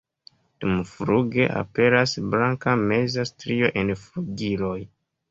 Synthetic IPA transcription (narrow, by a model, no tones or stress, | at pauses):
d̥umfɾuɡe̞ʔa̰pe̞ɾasblaŋkame̞zastɾio̞ʔe̞nfɾuɡilo̞j